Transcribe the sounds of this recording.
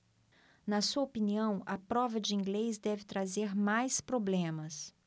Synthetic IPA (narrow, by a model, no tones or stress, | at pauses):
nɐsuɐopiniɐ̃w̃ɐpɾɔvɐd͡ʒɪĩŋɡlejzd̪ɛvɪt̪ɾazeɾmajspɾoblẽmɐs